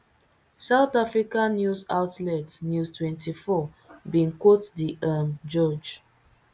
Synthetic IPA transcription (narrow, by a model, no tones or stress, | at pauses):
saʊθafɹikãnːjuza̰wtlɛtnjustwɛ̃ntifɔ | bĩnkwotdiʔamd͡ʒɔd͡ʒ